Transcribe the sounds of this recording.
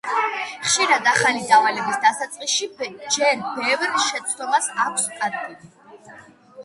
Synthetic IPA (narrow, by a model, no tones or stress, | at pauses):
χʃiɾad̪aχalid̪avalɛbisd̪asat̪sʼqʼisʃid͡ʒɛɾbɛvɾʃɛt̪sʰd̪ɔmasakʷʰskʼad̪̚ɡi